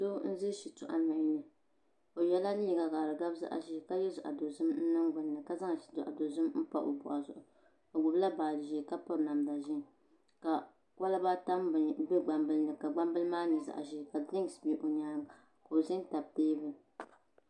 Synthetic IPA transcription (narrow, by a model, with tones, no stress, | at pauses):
do˦n̩˦zɨ˦ʃi˨tʊ˨ʔa̰˨na˨ɲ˦nɨ˨ | o˨jɛ˦la˦n˦ɲi˨ɡa˨ɡa˨ɾɨ˨ɡa˦bza̰˦ʔa̰˨ʒi˦˨ka˦jɛ˦zʊ˨ʔa̰˨do˨zɨ˦mn̩˦nɨ˦ŋɡ͡bʊ˨nː˨ɨ˨ka˨za˦ŋ˨ʃi̥˨dʊ˨ʔa̰˨do˨zɨ˦mm̩˦pa̰˦ʔo̰˨bʊ˨ʔa˨zʊ̰˨ʔʊ˨ | o˨ɡʊ˨bla˦baː˨lʒi˨ka˦pa˦ɾna˨m˨da˨ʒɪ˦n | ka˨ | wa˦la˦ba˦ta˦mbbɛ˦ɡ͡ba˨mbɨ˦lnɨ˨ka˨ɡ͡ba˦mbɨ˦lmaː˦nɨ˨za̰˨ʔa̰˨ʒi˦˨ka˨dɪ˦ŋ˨sbi˨ʔo˨ɲaː˦ŋ˨ | ka˨o˨zɨ˦n˦ta˨b̚teː˦bɨ˦˨